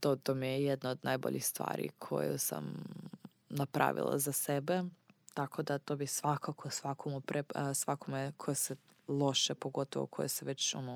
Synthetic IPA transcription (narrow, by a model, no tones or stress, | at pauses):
t̪ot̪omijɛjed̪naod̪najbo̰ʎixst̪ʋa̰ːɾḭkʰo̞̰jṵsa̰m | napɾa̰ːʋḭlˠa̰zasebet̪ako̞d̪at̪obisʋakakʰosʋakʰomupɾesʋakomekʰojese | lˠoʃepoɡo̞t̪oʋo̰kʰo̰jeseʋet͡ɕt͡ʃumu